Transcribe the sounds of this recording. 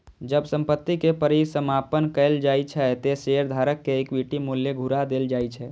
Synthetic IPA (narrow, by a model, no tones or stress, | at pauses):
d͡ʒəbsəmpət̪ːikepəɾisəmapənkəld͡ʒajt͡ʃʰɛt̪eseɾd̪ʱaɾəkːeːkʋiʈimuljəɡʱuɾad̪eld͡ʒajt͡ʃʰɛ